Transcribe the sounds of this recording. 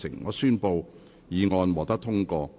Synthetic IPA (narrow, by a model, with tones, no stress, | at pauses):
sɪ̰˨˩ŋːɔː˨˧syː˥npo˧w | jiː˨˧ŋɔː˧nwɔː˨kt̪ɐ˥t̪ʰʊ˥ŋkɔː˧